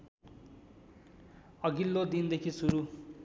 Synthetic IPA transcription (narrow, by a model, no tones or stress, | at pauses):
ʌɡilːod̪ind̪ekʰisuɾu